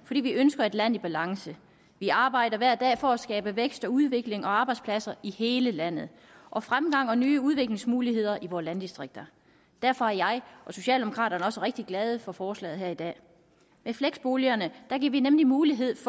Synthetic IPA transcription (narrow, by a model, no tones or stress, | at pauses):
fɒ̽d̥ḭːʋiʔønsɡ̥ɐe̝d̥læn̰ib̥ælɑ̈ŋsə | ʋiɑ̈ːb̥ɑ̈ɪ̰ɾɐʋæɐd̥ɛ̰ːfɒ̽æsɡ̥ɛːb̥əʋeɡ̥sd̥ɒ̽uð̞ˠʋe̝ɡ̥le̝ŋɒ̽ɑ̈ːb̥ɑ̈ɪd̥spʰlæsɐʔihe̝ːləlæn̰ð̞̩ˠ | ʔɒ̽fʁamɡ̥ɑ̈ŋ̰ɒ̽nyːuðˠʋe̝ɡ̥le̝ŋsmuːliɦhe̝ð̞̰ˠɐʔiʋɒːlænd̥isd̥ʁeɡ̥̚d̥ɐ | d̥æɐfɒ̽æɐjɑ̈ɪʔɒ̽so̝ɕɛ̰ːld̥emo̝kʰʁɑ̰̈ːɾɐnəɒ̽səʁeɡ̥̚d̥iɡ̥lɛːð̞̩ˠəfɒ̽fɒːslɛ̰ːð̩ˠɦeɐid̥ɛ̰ː | mefleɡ̥sb̥o̝ljɐnəd̥æ̈ɡ̥iɐ̰ʋinemlimuːliɦe̝ð̞̰ˠf